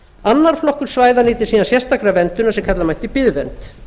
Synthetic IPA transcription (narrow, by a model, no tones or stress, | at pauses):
anːaɾ̥flɔhkʏɾ̥svaːjðaniːt̪ɪɾsiːnasjɛst̪akɾavɛnt̪ʏnasɛmkʰat̪lamajht̪ɪpɪðvɛnt̪